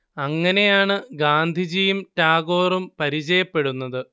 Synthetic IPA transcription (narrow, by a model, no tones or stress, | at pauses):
ɐŋːɐne̞jaːɳɨɡaːnd̪ʱid͡ʑijumtaːɡo̞ːrumpɐɾit͡ɕɐjɐpːe̞ɽunːɐðɨ